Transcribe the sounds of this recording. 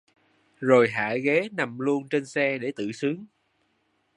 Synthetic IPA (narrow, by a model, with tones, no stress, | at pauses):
zo˨˩jɦa̰ː˧˩ɣe˨˦na˨˩mlu˧ənt͡ɕe˧nsɛ˧ɗe˧˩t̪ɨ̰˧˨sɨ˨˦əŋ